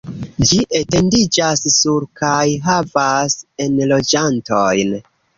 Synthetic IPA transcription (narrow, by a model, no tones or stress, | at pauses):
d͡ʒiʔete̞ndid͡ʒassuɾkajɦavase̞nlo̞d͡ʒanto̞jn